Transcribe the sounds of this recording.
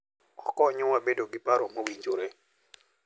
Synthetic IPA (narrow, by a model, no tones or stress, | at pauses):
ɔkɔɲʊwabedoɡɪpaɾomowiɲd͡ʒoɾe